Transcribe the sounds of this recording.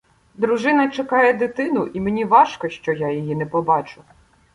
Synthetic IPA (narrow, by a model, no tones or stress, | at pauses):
d̪ɾʊʒɪnɐt͡ʃɐkɑjɛd̪ɪt̪ɪnʊʔimenʲiʋɑʃkɔʃt͡ʃɔjajijinɛpɔbɑt͡ʃʊ